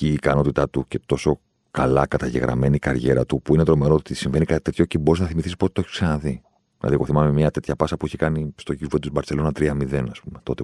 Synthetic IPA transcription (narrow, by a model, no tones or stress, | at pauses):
ciːkɐno̞t̪it̪ɐt̪uce̞t̪o̞so̞ | kɐlɐkɐt̪ɐʝe̞̰ɣɾʔɐ̰me̞nikɐɾʝe̞ɾɐt̪upuinet̪ɾo̞me̞ɾo̞ːt̪isiɱve̞nikɐt̪it̪e̞t̪ço̞cebo̞ɾiznɐθimiθisipoet̪oçi̥ksɐnɐði | nɐ̰ðiko̞θimɐmemɲɐt̪e̞t̪çɐpɐsɐpueçekɐnist̪o̞ʝivot̪uzbɐɾt͡se̞lo̞nɐt̪ɾiɐmiðe̞nɐspume̞t̪o̞t̪e